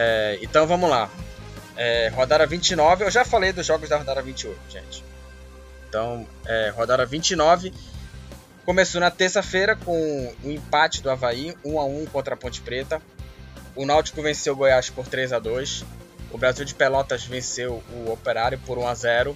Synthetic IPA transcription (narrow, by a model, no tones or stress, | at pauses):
ɛḛ̃nt̪ɐ̃w̃vɐ̃mʊla | ɛɦod̪ad̪ɐvĩt͡ʃɪnɔvɪewʒafalejd̪ʊzʒɔɡʊzd̪ɐhod̪ad̪ɐvĩt͡ʃiojt̪ʊʒ̥ḛ̃t͡ʃɪ̥ | ẽt̪ɐ̃w̃ | ɛɦod̪ad̪ɐvĩt͡ʃɪnɔvɪ | kõmesonɐt̪eɾsɐfejɾɐkõʊĩpat͡ʃɪd̪ʊavaiũaũkõnt̪ɾɐpõt͡ʃɪ̥pɾet̪ɐ | ʊnawt͡ʃɪ̥kʊvẽsewɡojaʃpoɾt̪ɾejzad̪ojsʊbɾaziwd͡ʒɪpelɔt̪ɐzvẽsewʊopeɾaɾjʊpʊɾũazɛɾʊ